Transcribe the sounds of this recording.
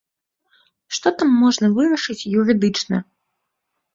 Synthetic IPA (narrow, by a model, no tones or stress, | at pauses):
ʂt̪ɔt̪amːɔʐnɐvɨɾɐʂɨt͡sʲjuɾɨd̪ɨt͡ʂnɐ̰